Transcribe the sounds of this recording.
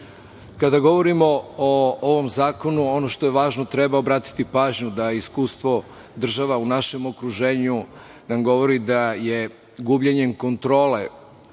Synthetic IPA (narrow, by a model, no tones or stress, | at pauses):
kad̪aɡo̞ʋo̞ɾimo̞ooʋo̞mzaːko̞nuo̞no̞ʃt̪o̞je̞ʋaːʒno̞t̪ɾebaobɾaːt̪i̥t̪ipaːʒɲud̪aiskuːst̪ʋo̞ | d̪r̩ʒaʋaunaʃe̞mo̞kɾuʒe̞ːɲu | namɡo̞ʋo̞ɾid̪aje̞ | ɡubʎeɲe̞mko̞nt̪ɾo̞ːle̞